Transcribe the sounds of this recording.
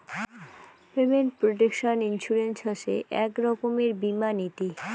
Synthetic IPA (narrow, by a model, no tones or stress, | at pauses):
pemeɳʈ̚pɾoʈ̬ekʃoninʃuɾensoʃeʔɛkɾɔkomeɾbimanit̪i